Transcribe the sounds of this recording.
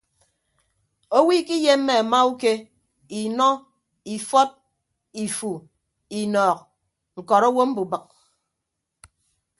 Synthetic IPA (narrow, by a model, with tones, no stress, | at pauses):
o˦wi˦ki˦je˦m̩˦me˨a˨ma˦u˦ke˦ | i˨nɔ˦ | i˨fɔ˦t̚ | i˨fu˨ | i˨nɔː˨k̚ | ŋ̩˨kɔ˨ɾo˦wo˦m̩˦bu˨bɨ˨k̚